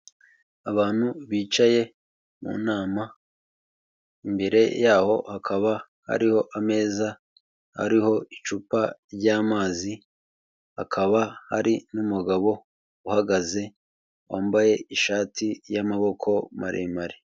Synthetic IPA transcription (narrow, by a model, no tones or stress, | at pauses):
aβaːn̥huβiːt͡ʃaje̞ | mṵːnaːma | imbe̞ɾe̞jaːho̞hakʰaβa | ha̰ɾiho̞ʔame̞ːza | ha̰ɾiho̞it͡ʃuːpaɾɟaːmaːzi | hakʰaβaha̰ɾinumuɡaβo̞ | uhaɡaze̞ | waːmbaje̞iʃaːtʰijamaβo̞kʰo̞ma̰ɾʔḛːmaɾi